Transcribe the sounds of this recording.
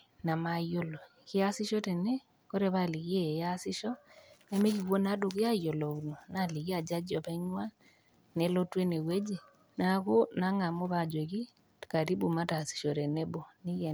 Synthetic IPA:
na˨ma˨jo˦lo˨kɪ˦a˦sɪ˦ʃɔ˦tɛ˨ne˦ | ko˦ɾe˨βa˦˨li˨ki˦e˦˨ja˦sɪ˦ʃɔ˦ne˦me˦ki˨kːo˦na˦do˨kɪ˦a˦jo˨lɔ˨kno˨na˨li˨ki˦a˨d͡ʒa˦d͡ʒɔ˨pa˦i˦ɲwa˦ | ne˨˦lo˦twe˦ne˨we˦d͡ʒe˨ | na˦ko˦na˨˦ŋa˨mo˦βa˦˨d͡ʒo˨ki˦ | ka˨ɾi˦bu˨ma˦ta˨si̥˨ʃɔ˨ɾɛ˨ne˦bo˨ni˦jɛ˨

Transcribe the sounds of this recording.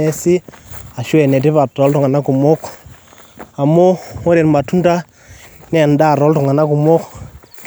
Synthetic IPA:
ɛ˦sɪ˦a˨ʃwɛ˨nɛ˨t̬i˦pa˨tɔ˨˦ltʊ˨ŋa˨na˦ku˨mʊ˦k | a˨mo˦o˦ɾe˨nma˨tu˦nta˦ | n˦ɛ˨nda˦˨ɾɔ˨˦ltu˨ŋa˨na˦kʊ˨mʊ˦k

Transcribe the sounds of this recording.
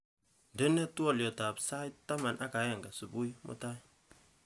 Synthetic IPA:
ndɪ˦nɛ˦twɔ˦˨ljɔ˨ta˨bsa˦jtːa˦ma˨nʔa˦ka˨˦ja˦˨ŋɡa˨su˨bu˦jmʔʊ̰˦ta˦

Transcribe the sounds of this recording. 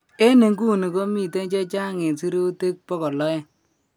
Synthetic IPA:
e˦ne˨ŋɡu˦˨ni˨ko˦mi˦˨te˦t͡ʃe˦t͡ʃa˦ŋe˨si˦ɾo˦te˦k̚pɔ˦kɔ˨lɔ˦jɛ˦

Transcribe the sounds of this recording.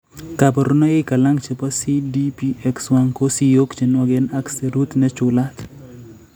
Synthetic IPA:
kapɔ˨ɾu˦nɔ˦ɪ˦ka˨la˦ŋt͡ʃe˨pa˦si˦di˦pi˦ɛ˦kswa˦ŋko˦si˦jo˦kt͡ʃe˨nwa˦ɡɛ˦na˦kse˨ɾu˦t̪nɛ˦t͡ʃʊla˦t̪

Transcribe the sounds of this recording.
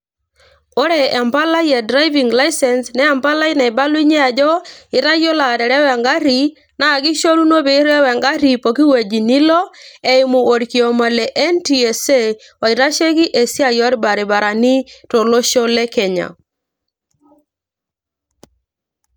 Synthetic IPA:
o˦ɾɛː˨mpa˦la˦jɛ˨dɾa˦jvi˨ŋɡla˦i˦sɛ˨nsnɛː˦˨mpa˦la˦i˦nɛ˨i˨ba˦lwi˦ɲɛ˦a˨d͡ʒɔ˦i˨ɾa˦jo˦la˨dɛ˨ɾɛ˦wɛ˨ŋɡa˦ɾi˨ | naː˨ɡi˦ʃo˦ɾu˦no˦be˨˦ɾɛ˦wɛ˨ŋɡa˦ɾi˨po˨ki˦we˨d͡ʒi˨ni˦lɔ˦e˨i˦mu˨o˨ɾki˨o˨ma˨lɛ˨ʔɛ˦nti˨e˨se˦˨ | wa˨i˨ɾa˦ʃe˦ki˦ʔe˨si˦a˦jɔ˦ɾi˦ba˨ɾi˨ba˨ɾa˨ni˦to˨lo˦ʃo˦lɛ˦kɛ˨ɲa̰˨

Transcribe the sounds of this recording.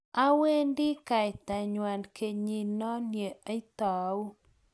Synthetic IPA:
a˦we˦ndi˦ka˨t̪a˨ɲwa˨nke˨ɲi˨nɔ˦lje˨a˦i˦t̪a˨˦u˦

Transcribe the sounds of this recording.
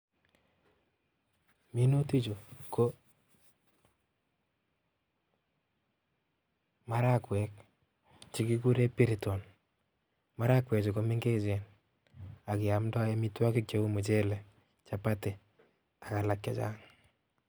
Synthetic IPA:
mi˦no˦ti˦t͡ʃo˨kʰo˦ | ma˦ɾa˦kwɛ˨k̚ | t͡ʃɪ˦ki˦k̬u˦ɾe˦pi˦ɾi˨tɔ˨n | ma˦ɾa˦kwɛ˨t͡ʃɔ˨ko˦me˦ŋɡe˦d͡ʒe˨n | a˨kɪ˨a˨mda˦ja˦mi˦twa˦kɪ˦k̚t͡ʃe˦u˦mu˨t͡ʃe˦lɛ˨ | t͡ʃa˨pa˦tɪ˨ | a˨ka˨la˨kja˦t͡ʃa̰˦ŋ

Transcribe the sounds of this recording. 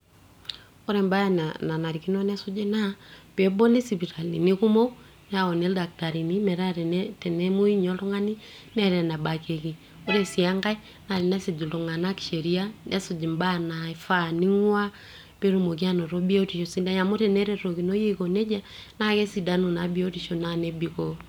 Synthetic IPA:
o˦ɾɛ˨mba˦ja˨nana˨na˨ɾi˨ki˦nɔ˦nɛ˦su˦d͡ʒe˦na˦pɛ˨bɔ˦li˦si˨βi˨ɾa˨lḭ˨ni˦ku˦mo˦ | n˦a˨ɔ˨ne˦lda˨k̚ta˨ɾi˨ni˦mɛ˨ɾa˦ɾɛ˨nɛtɛ˨nɛ˦mo˦i˦ɲɔ˦lo˦ŋa˦ni˦ | nɛ˦ɾɛ˨na˨ba˨ke˨ki˨ | o˦ɾɛ˦si˨a˦ŋɡa˦i˦ | na˨ɾe˨nɛ˦si˨d͡ʒi˨lo˨ŋa˨na˦ki̥˨ʃe˨ɾi˦a˦nɛ˦su˨d͡ʒi˨mba˦˨na˨i˨fa˦ni˦ŋwa˦ | pe˦ɾu˨mo˨k̬i˦a˦nɔ˨ɾɔ˦bi˦o˦ti˨ʃo˨si˦da˦ɲa˨mo˦ɾɛ˨nɛ˦ɾɛ˦ɾo˨ki˨no˦je˦ko˨nɛ˦d͡ʒa˨na˦kɛ˦si˨da˦nu˨na˨bi˦o˦ti˨ʃo˨na˦nɛ˦bi˨kɔ˦

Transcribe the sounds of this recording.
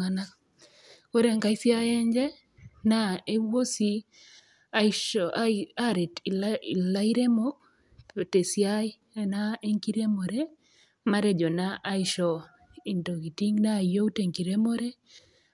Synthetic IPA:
ana˦ | ko˦ɾɛ˦˨ŋka˨i˦sja˦jɛ˦ɲd͡ʒɛ˦ | na˦e˦wo˦si˦ | a˦ʃ | a˦ɾe˨ti˨lla˦i˦ɾe˦mo˦k̚ | o˨te˨sja˦ | na˦e˦ŋki˦ɾe˦mɔ˨ɾe˦ | ma˦ɾe˦d͡ʒɔ˨na˦ʔa˦ɪ˦ʃɔ˨ | i˨nto˨ɡi˨ti˦ŋna˦˨jo˦te˨ŋki˨ɾe˦mo˦ɾe˦

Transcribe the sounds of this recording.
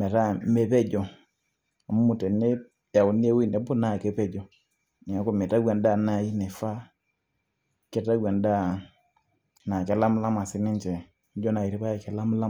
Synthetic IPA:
mɛ˨ɾa˦mɛ˨pɛ˦d͡ʒɔ˨ | a˨mu˦mu˨tɛ˨ne˦ | ja˨u˨ni˦ɛ˦wi˦˨nɛ˨˦bɔ˦na˨kɛ˦pɛ˦d͡ʒɔ˨ | ni˨a˨˦kɔ˦˨mɛ˨ta˦ɡɛ˨nda˦˨na˨i˦nɛ˨fa˦ | kɛ˦ta˦ɡwɛ˨nda˦ | na˨kɛ˨la˦m˦la˦ma˨sɪ˦nɛ˦nt͡ʃɛ˨˦ | d͡ʒɔ˦na˨i˨ɾi˦pa˦˨kɛ˨la˦m˦la˦

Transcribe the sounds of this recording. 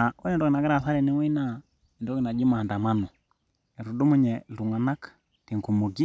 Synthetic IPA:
a˨ɔ˦nɛ˦ndɔ˦ɡi˨na˨ɡɛ˦ɾa˨θa˦ɾɛ˨nɛ˦wɛ˦na˦ | ɛ˨ndɔ˦ɡi˨na˨d͡ʒi˦ma˨nda˨ma˦nɔ˨ | ɛ˨ɾu˨du˦mu˦ɲɛ˨lu˨ŋa˨na˦k | ti˨ŋku˨mo˨ɡi˦

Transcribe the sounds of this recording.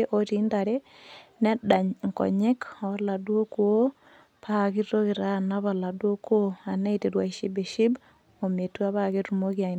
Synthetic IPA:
e˦ʔo˨ti˦nda˨ɾe˦ | ne˦da˨ɲŋkɔ̰˨ɲe˦koo˦la˨dwo˦kuo˦ | paɣi˦ɾɾoɣi˨ɾa˦na˦βa˨la˨dwo˦ko˦a˨ne˦ite˨ɾwa˨ʃi˦be˨ʃi˦b | o˨me˨twa˦βa˦ɣe˦tu˨mo˦ɣja˨i

